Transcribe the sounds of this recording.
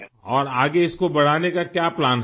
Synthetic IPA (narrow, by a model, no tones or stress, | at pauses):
ɔːɾaːɡeɪskobɐɽ̤aːnekakjaːplaːnɦ